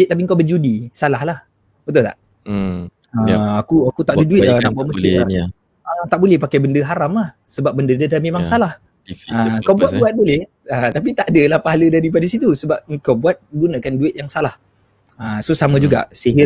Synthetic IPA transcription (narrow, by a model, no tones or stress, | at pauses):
t̪ap̬iəŋkawbəd͡ʒudisalahlah | bət̪ʊlt̪a̰ʔ | əakuakut̪aʔadəduɪt̪̚anaʔbuat̪̚məsk̪ia | ət̪aʔbolɛhpakajbəndəɦaɾamlah | səbap̚bəndədədamemaŋsalah | əŋkawbuat̪̚buat̪̚bolɛh | ət̪ap̬it̪aʔdəlahpaɦalədaɾipadasit̪usəbap̚ŋkawbuat̪̚ɡunakanduɪt̪̚jaŋsalah | əsosamə̃d͡ʒuɡa̰ʔsiɦɪ